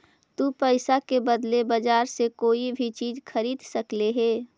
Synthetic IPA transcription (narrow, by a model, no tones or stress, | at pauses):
t̪uːpəɪsakebəd̪lebəd͡ʒaːɾsekoːibʱit͡ʃiːd͡ʒxʰəɾiːd̪səkleɦɛː